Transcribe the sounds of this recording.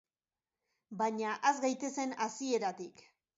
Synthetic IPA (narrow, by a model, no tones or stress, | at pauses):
baɲaʔezɡajt̪e̞se̞nasie̞ɾat̪ik